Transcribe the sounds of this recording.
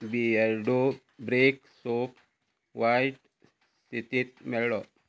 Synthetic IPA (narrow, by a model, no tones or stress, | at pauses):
biaɾɖo | bɾeksop | ʋajʈ | st̪ʰit̪it̪̚meɽɔ